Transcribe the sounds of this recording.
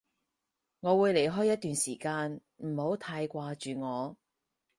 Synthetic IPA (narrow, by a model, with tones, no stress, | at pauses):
ŋɔː˨˧wuː˨˧jle˨˩jɦɔː˥jːɐ˥t̪̚ːyː˨nsiː˨˩kaː˧n | m̩˨˩ho˨˥wt̪ʰaː˧jkʷaː˧t͡ʃyː˨ŋɔː˨˧